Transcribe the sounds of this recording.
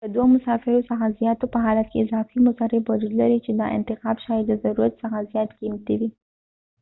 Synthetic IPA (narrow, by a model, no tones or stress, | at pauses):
ləd̪wamʊsɑfɪɾosəxazjɑt̪opəɦɑlat̪̚keɪzɑfimʊsɑɾewad͡ʒud̪laɾit͡ʃed̪ɑ̰ʔɪ̰nt̪ɪxɑbʃɑjed̪əzaɾuɾat̪səxazjɑt̪ɡimt̪iwi